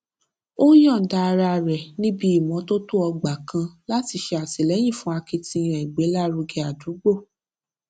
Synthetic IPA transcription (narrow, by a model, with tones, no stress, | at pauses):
o˦jɔ̃˦˨da˧ɾa˧˨ɾɛ˨nĩ˦bi˧˦i˦˨mɔ̃˨˦to˦tu˦ɔ˧ɡ͡ba˨kã˧la˦ti˧˦ʃe˧a˨si˨lɛ˨˦j̃ĩ˦˨fũ˦a˧ki˧tĩ˧ɾɛ˨i˨ɡ͡be˨˦la˦ɾu˧ɡe˧˦a˨du˨˦ɡ͡bo˦˨